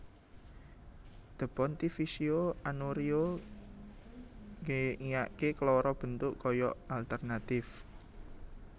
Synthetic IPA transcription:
d̪̥ə̤pɔnt̪ifisioanoɾio | ŋeŋijaʔkekəlɔɾɔb̥ə̤nt̪ʊʔkɔjɔalt̪ərnat̪ɪf

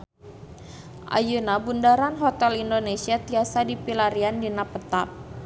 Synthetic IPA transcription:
ʔa̰junabundaɾanɦɔt̪ɛlindonesiat̪iasadipilaɾiandinapət̪ap̚

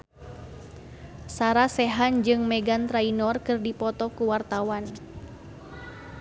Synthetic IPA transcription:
saɾasɛɦand͡ʒɨŋmɛɡant̪ɾainɔrkɨrdipɔt̪ɔkuwart̪awan

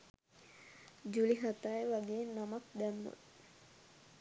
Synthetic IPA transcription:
d͡ʒuliɦat̪ajʋaɡenamak̚d̪ɛmːṵt̪

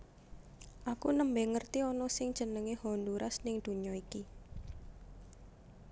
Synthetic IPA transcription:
ʔakunəmbɛŋərt̪iɔnɔsɪŋd̥ʒ̥ə̤nəŋehɔnd̪uɾʔasnɪŋd̪̥ṳɲɔiki

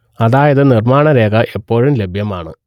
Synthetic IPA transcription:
ɐðaːjɐðɨnirmaːɳɐɾe̞ːɣɐʔepːo̞ːɻumle̞bʱjɐmaːɳɨ

